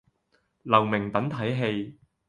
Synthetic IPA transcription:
lɐ˨˩wmɪ˨˩ŋt̪ɐ˨˥ŋt̪ʰɐ˨˥jɦe˧j

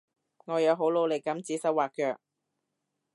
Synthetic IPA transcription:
ŋɔː˨˧jɐ˨˧wɦo˨˥wlo˨˧wle˨˩kɐ˨˥mt͡siː˨˥sɐ˧˥waː˨k̚kœː˧k̚

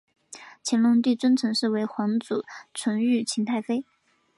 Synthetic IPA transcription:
t͡ɕʰɛ˧˥nlʊ˥˧ŋt̪i˥˩t͡swə˥nt͡sʰɤ˧˥ŋʂɻ̩˥˩we˧˥ɪxwɑ˧˥ŋt͡su˨˩˦t͡sʰə˧˥ŋy˥˩t͡ɕʰi˧˥nt̪ʰa˥˩ɪfe˥ɪ

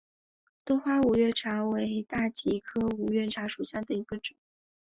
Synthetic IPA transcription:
t̪wɔ˥xwa˥u˨˩ɥɛ˥˩ʈ͡ʂʰa˧˥we˧˥ɪt̪a˥˩t͡ɕi˧˥kʰɤ˥u˨˩ɥɛ˥˩ʈ͡ʂʰa˧˥ʂu˨˩ɕja˥˩d̪ə˩i˧˥ɡ̥ə˧ʈ͡ʂʊ˨˩˦

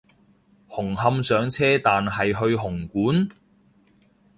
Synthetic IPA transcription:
hʊ˨˩ŋɦɐ˧msœː˨˥ŋt͡sʰɛː˥t̪aː˨nɦɐ˨jɦɵ˧ɥɦʊ˨˩ŋkuː˨˥n

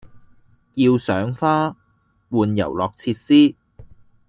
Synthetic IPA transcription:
ji˧wsœː˨˥ŋfaː˥ | wuː˨njɐ̰˨˩wlɔː˨k̚t͡sʰiː˧t̚siː˥

